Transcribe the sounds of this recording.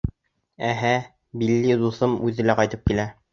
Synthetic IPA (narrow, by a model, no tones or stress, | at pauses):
æɦæ | bilːid̪uθɤmʉðɘ̆læqɑjt̪ɤp̚kilæ